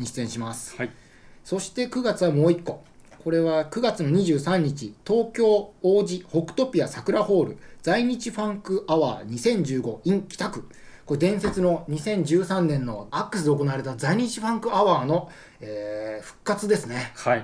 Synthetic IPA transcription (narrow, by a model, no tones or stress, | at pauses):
ɲiɕi̥t͡sẽɕimasɨ̥ | so̞ɕi̥t̪e̞kɯ̟ɡat͡sɨβamo̞ːikːo̞ | ko̞ɾe̞βakɯ̟ɡat͡sɨno̞ɲ̟iʑɨːsãɲ̟ːit͡ɕit̪o̞ːkʲo̞ːoːd͡ʑiho̞kɯ̟̥t̪o̞pʲiasakɯ̟ɾaho̞ːɾɯ̟̰d͡zaiɲ̟it͡ɕiɸãŋkɯ̟aβa̰ːɲ̟isẽ̞ɲ̟d͡ʑɨːɡo̞ĩŋkʲi̥t̪akɯ̟ko̞d̪ẽ̞ɰ̃se̞t͡sɨno̞ɲ̟isẽ̞ɲ̟d͡ʑɨːsãnːẽ̞nːo̞akːɯ̟sɨd̪e̞oko̞naβaɾe̞t̪azaiɲ̟it͡ɕiɸãŋkɯ̟aβaːno̞ | eːɸɯ̟̥kːat͡sɨd̪e̞sɨne̞